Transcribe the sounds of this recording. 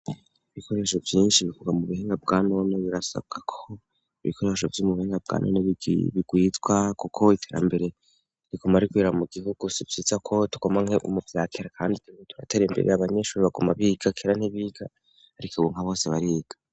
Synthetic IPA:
iβikʰo̞ɾe̞ːʃovjiːnʃiβikuɡamuβuheːŋɡabɡano̞neβiɾasa̰b̚ɡ̥akʰo | iiβḭkʰo̞ɾe̞ʃovjumuβuheːŋɡab̚ɡa̰ːnʔo̰neβḭβiɡ̥wiːt͡swakukʰo̞itʰe̞ːɾa̰mbe̞ɾe | ɾiɡomaɾikwiːɾamuɡiɦuɡ̥usivjit͡sakʰo̞tu̥ɡ̥omaŋ̥heʔṵmuvjaːkʰeɾakʰaːndituŋitu̥ɾatʰeɾembe̞̰ɾeaβaɲe̞ʃuːɾiβaɡomaβiɡ̥akʰeːɾan̥heβiːɡaː | ɾikoβuŋ̥haβo̞ːseβaɾiːɡ̥ḁ

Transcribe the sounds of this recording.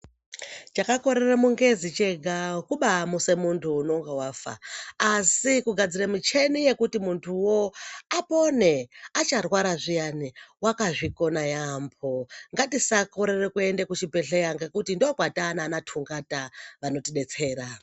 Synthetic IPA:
t͡ʃakako̞ɾe̞remuŋɡe̞zit͡ʃe̞ɡʱakuɓamuse̞muntʰuːno̞ŋɡawafa̰ːsikuɡʱad͡ziremit͡ʃe̞nije̞kutimuntʰuwo̞apo̞ne̞at͡ʃarwaɾaʐijaniwakaʐiko̞najamb̚ʰʱoŋɡatisako̞ɾe̞rekue̞ndekut͡ʃipe̞ɬejaŋɡekutindokwatananatʰuŋɡataʋano̞tiɗe̞t͡se̞ːɾa

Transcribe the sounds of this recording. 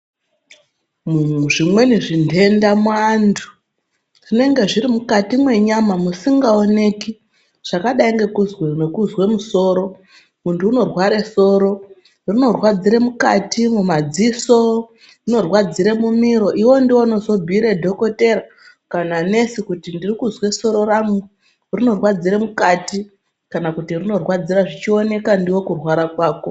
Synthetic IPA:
muuʐimwe̞niʐindʱe̞ndamwandu̥ | ine̞ŋɡe̞ʐiɾimukatimwe̞ɲamamusiŋɡaone̞ki | ʐ̥akaɗaiŋɡe̞kuzwenekuzwe̞muso̞ːɾo̞ | muntʰuːno̞rwaɾe̞so̞ːɾo̞ | rino̞rwad͡ziɾe̞mukatimumad͡ziso | rino̞rwad͡ziɾe̞mumiɾo̞ʔiwo̞ndiwono̞zo̞bʱiɾe̞dʱo̞ko̞te̞ɾa | kanane̞sikutindirikuzwe̞so̞ɾo̞ɾamu | rino̞rwad͡ziɾemukati | kanakutirino̞rwad͡ziɾaʐit͡ʃio̞ne̞kandiwo̞kurwaɾakwaːko̞

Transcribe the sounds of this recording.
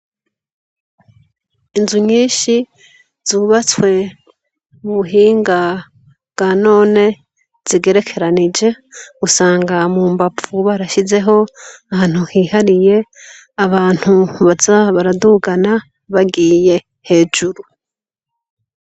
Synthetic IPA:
inzuɲiːʃi | z̥uːβat͡swe̞ | muβuɦiːŋɡa | βɡano̞ːne̞ | z̥iɡe̞ɾe̞kʰe̞ɾanid͡ʒe̞ | ɡusaːŋɡamuːmbap͡ffuβaɾaʃize̞ɦo̞ahaːn̥uhiːhaɾije̞ | aβaːn̥huβazaβaɾaduɡana | βaɡiːje̞ | he̞ːd͡ʒuɾu

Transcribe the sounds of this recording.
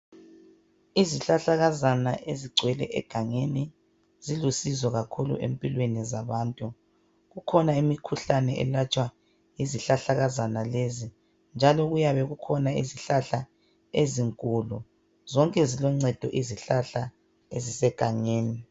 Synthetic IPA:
iziɬaɬaɣazanaʔeziɡ͡ǀʱwɛlɛ̰ʔɛ̰ɡ̥ʱaŋeni | zilusizɔɣakʰulṵʔḛmpʼilwenizaβaːntʼu | ɣukʰɔnaimikʰuɬanɛʔɛ̰lat͡ʃʼwa | iziɬaɬaɣazanalezi | nd͡ʒʱalɔɣujaβɛɣukʰɔnaḭziɬaɬa | eziŋkʼulu | zɔŋkʼɛzilɔŋ͡ǀɛd̥ʱɔʔiziɬaɬa | ezisɛɡ̥ʱaŋeːni

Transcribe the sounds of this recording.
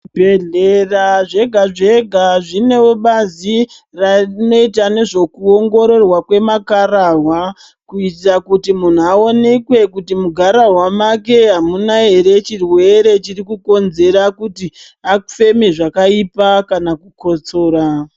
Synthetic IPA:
bʱeɮeraʐe̞ɡʱaʐe̞ɡʱaʐine̞oɓazi | rano̞it̬ane̞ʐo̞kuo̞ŋɡo̞ɾo̞rwakwe̞makarawa | kuitakutimun̤uao̞ne̞kwe̞kutimuɡʱaɾaɦwamak̬e̞ɦamunaɦe̞ɾe̞t͡ʃirwe̞ɾe̞t͡ʃirikuko̞nze̞ɾakuti | akfe̞meʐakaipakanakuko̞t͡so̞ːɾa

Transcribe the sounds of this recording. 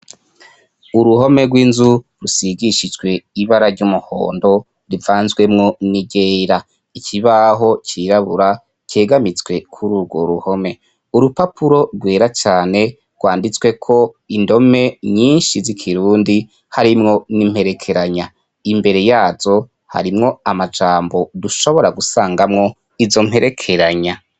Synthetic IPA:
uɾuɦo̞me̞ɡwiːnzuɾusiɡiʃid͡ʒɡwe̞iβaɾaɾɟumuho̰ːndo̞ | ɾivaːnzɡwe̞mŋo̞niɟeːɾa | ikʰiβaɦo̞t͡ʃiɾaβuɾa | ce̞ːɡamit͡swe̞kʰuɾuɡo̞ɾuho̞me̞ | uɾupapʰuɾo̞ɾɡwe̞ːɾat͡ʃaːne̞ | ɾɡ̥waːndit͡swe̞kʰo̞ | indo̞me̞ɲiːnʃizikʰiɾuːndi | haɾimŋo̞nim̥he̞ɾe̞kʰe̞ɾaɲa | imbe̞ɾe̞jaːzo | ha̰ɾimŋo̞amad͡ʒaːmbo̞duʃo̞βo̞ɾaɡusaːŋɡamŋo̞ | izo̞m̥he̞ɾʔe̞kʰe̞ɾaɲa

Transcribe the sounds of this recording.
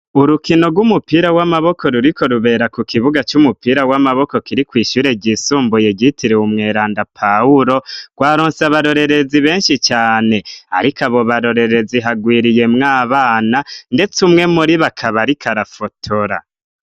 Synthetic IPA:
uɾukino̞ɡwumupiːɾawamaβo̞kʰo̞ɾuɾiko̞ɾuβe̞ːɾakukʰiβuɡat͡ʃumupiːɾawamaβo̞ko̞kiɾikwiːʃuːɾe̞ɟisuːmbujeɟitiɾeumŋe̞ːɾaːndapʰauɾo̞ɡ̥waːɾoːnsaβaɾo̞ɾe̞ɾe̞ziβe̞ːnʃit͡ʃaːne̞a̰ɾikaβo̞βaɾo̞ɾe̞ɾe̞ziɦaɡwiːɾije̞mŋaːβaːnande̞t͡sumŋe̞muɾiβakʰaβaɾikʰaɾafo̞tʰoɾa̰

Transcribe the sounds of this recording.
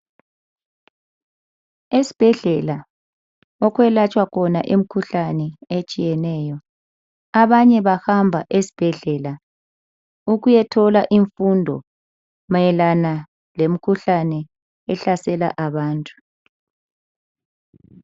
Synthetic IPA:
esi̥b̥ʱɛɮɛla | ɔkwɛlat͡ʃʼwakʰɔna̰ʔem̩kʰuɬanɛet͡ʃʼijɛnɛjɔ | aβaɲɛβahambʱa̰ʔesi̥b̥ʱɛɮɛla | uɣujɛtʰɔlaʔiɱfundʱɔ̰ | majɛlana | lem̩kʰuɬanɛ | ɛɬasɛla̰ʔaβaːntʼu̥

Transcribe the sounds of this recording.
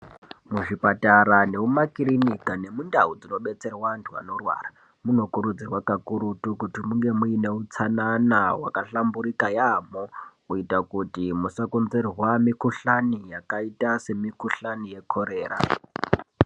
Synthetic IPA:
muʐipataɾane̞umakiɾinikane̞mundaud͡zino̞ɓe̞t͡se̞rwantʰua̰no̞rwa̰ːra | muno̞kuɾud͡zirwakakuɾutukutimuŋɡe̞muine̞ut͡sananawa̰kaɬambuɾikajamouitakutimusakunzerwamikuɬanijakaitase̞mikuɬanije̞kʰoɾe̞ːra̰

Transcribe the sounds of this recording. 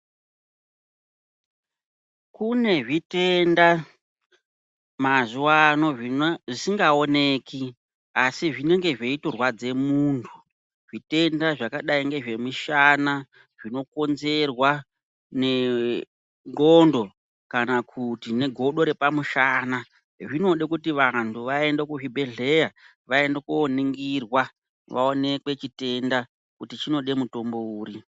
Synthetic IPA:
kune̞ʐite̞nda | mazuwano̞ʐisiŋɡaone̞ːki | asiʐine̞ŋɡe̞ʐeitorwad͡ze̞muːntʰu | ʐ̥ite̞ndaʐakaɗaiŋɡe̞ʐe̞miʃana | ʐ̥ino̞ko̞nze̞rwa | ne̞ | ŋɡondo̞ | kanakutine̞ɡʱo̞ɗo̞ɾe̞pamuʃaːna | ʐino̞ɗekutiʋantʰuʋae̞ndekuʐibʱe̞ɮe̞ja | ʋae̞ndekuoniŋɡirwa | ʋa̰one̞kwe̞t͡ʃite̞nda | kutit͡ʃino̞ɗe̞muto̞mbo̞uːɾi

